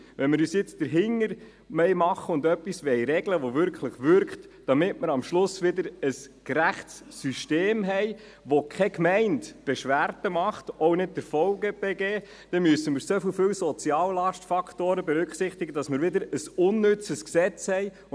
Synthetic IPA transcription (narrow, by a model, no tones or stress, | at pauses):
ʋɛnmɪɾyːsjɪt͡sd̥əɾɦɪŋːəɾ | mɛɪmɑχːəʊnd̪œpːisʋɛjɾɛɡləʋoʋʏɾkχləχʋʏɾkχtd̥ɑmɪtməɾɑmʃlʊsʋɪdəɾəskɾæχtsːyʃteːmɦɛj | ʋokʰχɛkmɛɪntb̥ɛʃʋæɾtəmɑχtɔʊnɪd̚d̥əɾfɔlɡəb̥ɛɡɛː | d̥ɛmyəsəmɪːɾsofɪlfɪwsɔt͡siɑːllɑʃtfɑkχtoːɾəbɛɾʏkχsɪχt̪ɪɡədɑsmɪːɾʋɪdəɾəsʊnːʏt͡səsksɛt͡shɛj